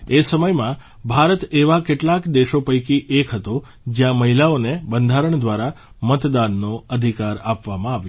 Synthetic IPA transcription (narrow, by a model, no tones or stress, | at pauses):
esəməjmã | bʱaɾət̪eʋakeʈlakd̪eʃopəjkiʔekɦət̪o | d͡ʒjãməɦilaonebənd̪ʱaɾəɳd̪ʋaɾa | mət̪d̪anːoəd̪ʱikaɾapʋamãaʋjo